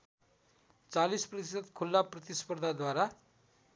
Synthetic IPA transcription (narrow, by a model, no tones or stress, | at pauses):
t͡salisprʌt̪isət̪kʰulːaprʌt̪ispəɾd̪ʱad̪waɾa